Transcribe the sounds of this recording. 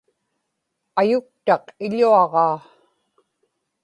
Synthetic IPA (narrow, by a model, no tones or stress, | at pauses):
ajʊk̚t̪ɑqɪʎuɑʁɑː